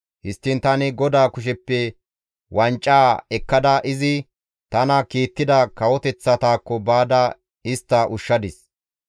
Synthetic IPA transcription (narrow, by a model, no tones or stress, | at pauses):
hɪst̪ːɪnt̪ɐnɪɡɔd̪aːkʊʃ̬ɛpːɛ | wʔɐnt͡ʃʼːaːɛkːɐd̪ɐʔɪzɪ | t̪ɐnɐkiːt̪ːɪd̪ɐkɐwɔt̪ɛt͡sːɐt̪aːkːɔbaːd̪ɐ | ɪst̪ːɐʔʊʃːɐd̪ɪs